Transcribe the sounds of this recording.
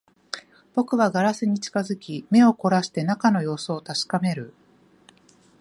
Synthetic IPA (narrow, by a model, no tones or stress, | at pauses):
b̥o̞kɯ̟βaɡaɾasɨɲ̟it͡ɕi̥kazɨkʲime̞o̞ko̞ɾaɕi̥t̪e̞nakano̞jo̞ːsoːt̪aɕi̥kame̞ɾɯ̟